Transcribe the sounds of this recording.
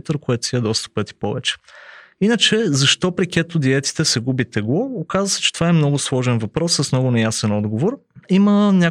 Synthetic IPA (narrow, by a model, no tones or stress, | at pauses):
t̪əɾkoɛt̪siəd̪ɔst̪ə̥pɤt̪i̥pɔvɛt͡ʃɛ̥inət͡ʃɛzɐʃt̪ɔpɾikʲɛt̪ʊd̪iɛt̪i̥t̪ɛsɛɡubit̪ɛɡoːkazvəsɛ̥t͡ʃɛt̪ovaɛmnɔɡʊslˠɔʒɛnvɐpɾɔsːəsmnɔɡʊnɛjasɛnɔd̪ɡovoɾimənʲa